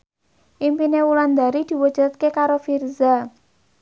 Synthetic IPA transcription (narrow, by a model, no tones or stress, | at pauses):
ʔimpinewuland̪a̤ɾid̪̥i̤wəd̥ʒ̥a̤t̪̚kekaɾofirza